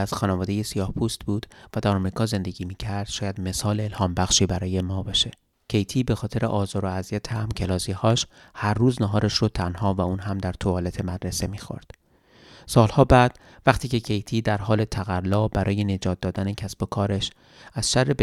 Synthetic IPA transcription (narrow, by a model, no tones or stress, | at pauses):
æz̥xɒːnevɒːd̪e̞je̞sijɒːhpʰuːst̪b̥uːd̪̥væd̪æɾɒmɾiːkʰɒːze̞nd̪e̞ɟʲiːmiːcʰæɾd̪̥ʃɒːjæd̪me̞sɒːleːlhɒːmbæxʃiːbæɾɒːje̞mɒːbɒːʃe | cʰe̞jt̪ʰiːbe̞xɒːt̪ʰe̞ɾḛʔɒːzɒːɾoæzijæt̪ʰehæmcʰelɒːzihɒːʃ | hæɾːuːznæɦɒːɾeʃɾot̪ʰænhɒːvæuːnɦæmd̪æɾt̪ʰoɒːlet̪ʰe̞mæd̪ɾese̞miːxo̰ɾd̪̥ | sɒːlhɒːbæːd̪̥ | væχt̪ʰiːce̞cʰe̞jt̪ʰiːd̪æɾɦɒːle̞t̪ʰæɣælːɒːbæɾɒːje̞ne̞d͡ʒɒːt̪̚d̪ɒːd̪ænecʰæsb̥okʰɒːɾe̞ʃ | æz̥ʃærːeb